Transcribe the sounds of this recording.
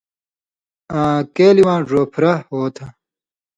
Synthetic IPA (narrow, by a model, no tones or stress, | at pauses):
ãːkeːliwãːʐoːpʰɾɐhoːt̪ʰɐ